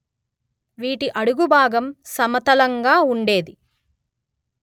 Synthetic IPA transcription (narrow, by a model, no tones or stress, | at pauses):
ʋiːʈiʔɐɽuɡubʱaːɡɐmsɐmɐt̪ɐlɐŋɡaːuɳɖe̞ːd̪i